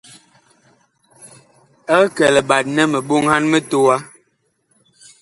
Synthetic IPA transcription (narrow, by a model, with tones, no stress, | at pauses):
ɛ˦kɛ˨lɛ˨ɓa˨t̚nɛ˦mə˨ɓo˦ŋha˦nmə˦to˦a˦